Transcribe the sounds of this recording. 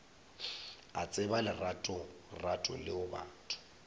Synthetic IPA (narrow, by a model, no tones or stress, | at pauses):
at͡sʼɪbalɪratʼɔ | ratʼɔ̰lɪʊba̰ːtʰʊ̥